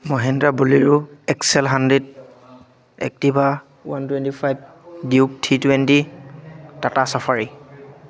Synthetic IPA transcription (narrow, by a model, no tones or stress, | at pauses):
mɔɦɛndɹabuliɹuɛksɛlɦandɹɛd | ɛ̰k̚tiba | wantwɛntipʰajb̚ | diup̚tʰitwɛnti | tatasapʰaɹi